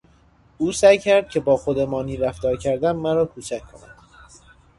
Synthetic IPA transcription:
ʔuːsæjcʰæɾd̪̥̚cʰe̞bɒːxod̪emɒːniːɾæfd̪ɒːɾcʰæɾd̪æmːæɾɒːkʰuːt͡ʃʰæckʰːo̰næ̰md̪̥

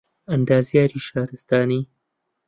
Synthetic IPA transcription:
ʔɐnd̪aːzjaːɾiːʃaːɾɨst̪aːniː

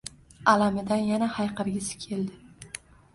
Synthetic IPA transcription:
alamɪd̪anjanahajqɨɾɡʲɪsɪ̥kʲʰe̞ld̪ɪ

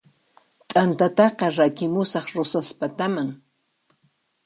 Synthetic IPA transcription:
t̪ʼant̪at̪ɑqɑɾakɪmʊsɑχɾʊsaspat̪amaŋ

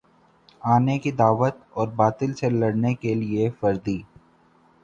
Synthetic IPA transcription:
aːnekid̪aːʋət̪ɔːɾbaːt̪ɪlselɐɽnekeliefɐɾd̪iː

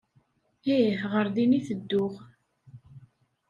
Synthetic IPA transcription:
ihʁəɾðiniθəd̪ːʊʁ

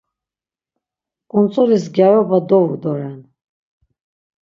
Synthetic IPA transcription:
kʼunt͡sʼɔlisɡjaɾɔbad̪ɔvud̪ɔɾɛn

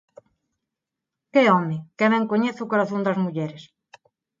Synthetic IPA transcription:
kɪɔmɪkeβɛ̃ŋkoɲeθʊkoɾaθond̪ɐzmuʎɛɾɪs

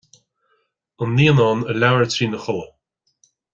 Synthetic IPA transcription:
ənːiːənɔːnəlawəɹtʰɾiːnəxɔlə

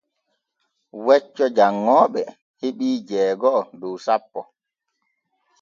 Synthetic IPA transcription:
wɛt͡ʃːɔd͡ʒaŋːɔːɓɛ | heɓiːd͡ʒɛːɡɔduwsapːɔ

